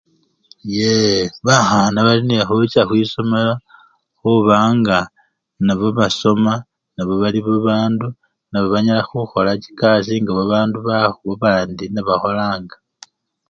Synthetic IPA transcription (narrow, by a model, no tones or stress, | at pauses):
jeβaxanaβalinexut͡ʃaxwiːso̞mela | xuβaːŋɡa | naβoβaso̞ma | naβo̞βaliβoβaːndu | naβoβaɲalaxuxo̞laci̥kas̬iŋɡaβaβaːnduβaxuβoβaːndinaβaxo̞laːŋɡa